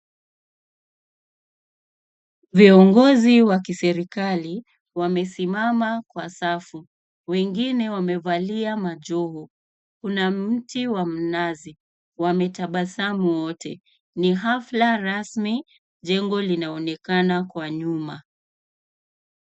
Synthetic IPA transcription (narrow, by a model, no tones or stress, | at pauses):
viɔŋɡɔziwakisɛɾikali | wamɛsimamakwasafu | wɛŋɡinɛwamɛvaliamaʄɔɦu | kunam̩tiwam̩nazi | wamɛtaɓasamuwɔtʰɛ | niɦaflaɾasmi | ʄɛŋɡɔlinaɔnɛkanakwaɲuma